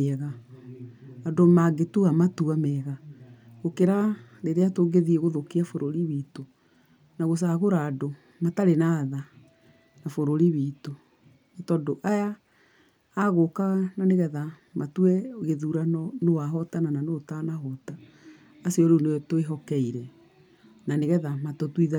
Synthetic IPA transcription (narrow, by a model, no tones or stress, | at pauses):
ɣa | adomaɡetuamatuamɛɣaɣokeɾaɾeɾeatoɡeðiɛɣoðokiafoɾoɾiβiːto | naɣos̬aɣoɾaːdo | mataɾenaða | nafoɾoɾiβito | etɔdoʔajaː | ɣokaɣananeɣɛða | matwɛɣeðuɾanɔnowaɦɔtanananotanaɦɔtaː | siɔɾuneɔtoeɦɔkɛiɾɛ | naneɣɛðamatotwiða